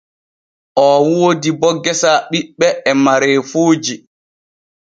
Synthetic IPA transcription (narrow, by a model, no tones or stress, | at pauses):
ʔɔːwoːdibɔɡːɛsaɓiɓːɛɛmaɾɛːfoːd͡ʒi